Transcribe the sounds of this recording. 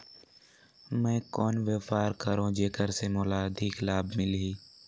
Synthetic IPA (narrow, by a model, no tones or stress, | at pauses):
mɛ̃ːkɔːnʋeːfaːɾkəɾõːd͡ʒeːkəɾsemoːlaːd̪ʱiːklaːbmɪlɦiː